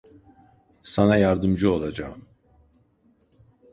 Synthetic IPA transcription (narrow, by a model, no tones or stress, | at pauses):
sanajaɾd̪ɯmd͡ʒɯo̞lˠad͡ʒaːm